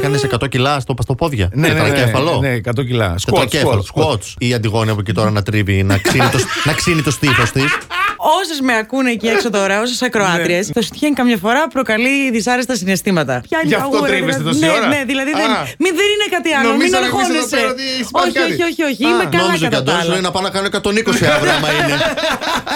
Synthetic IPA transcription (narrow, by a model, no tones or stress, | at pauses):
ekɐnesekɐt̪ocilɐst̪opɐst̪o̞po̞ðʝɐ̰neɐnocefɐlonekɐt̪ocilɐ̰sɐtocefɐlosot͡siɐnd̪iɣo̞niɐpocit̪o̞ɾɐnɐt̪ɾivinɐksinit̪osnɐksinit̪o̞st̪ifo̞st̪iso̞sɐzmeɐkunecieksot̪o̞ɾɐos̬esɐkɾoɐt̪ɾiesθost̪içeŋkɐmɲɐfoɾɐpɾo̞kɐliðisɐɾest̪ɐsinest̪imɐt̪ɐpçɐnɐɣiesneneðilɐðiðenmiðeninekɐt̪iɐlomminɐɾxoniset̪oçioio̞çioçiimekɐnomizoɐtɐd̪osinɐpɐnɐkɐnoekɐt̪o̞nikossiavɾomɐine